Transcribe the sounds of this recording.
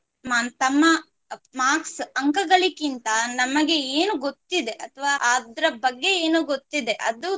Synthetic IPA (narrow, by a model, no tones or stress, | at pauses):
mant̪ɐmːɐ | maːksɐŋkɐɡɐɭikint̪ɐnɐmɐɡe̞eːnuɡot̪ːid̪e̞ʔɐt̪ʰʋaʔaːd̪ɐɾɐbɐɡːe̞eːnuɡot̪ːid̪e̞ʔɐ̰d̪u